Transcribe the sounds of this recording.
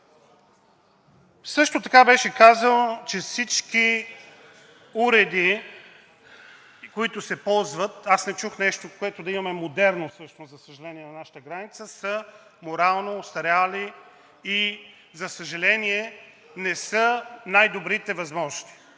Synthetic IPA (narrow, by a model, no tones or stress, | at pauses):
sɤʃt̪ot̪ɐkabɛʃɛkazənot͡ʃɛfsit͡ʃki | uɾɛd̪i | koit̪ʊsɛpɔlˠzvət̪asnɛt͡ʃuxnɛʃt̪okoɛt̪od̪ɐimɐmɛmod̪ɛɾnosɤʃnoszɐsəʒɐlɛniɛnɐnaʃə̥t̪əɡɾanit̪səsə | moɾalˠnosɐɾɛali | i | zɐsəʒɐlɛniɛ | nɛsənajd̪obɾit̪ɛvɐzmɔʒst̪i̥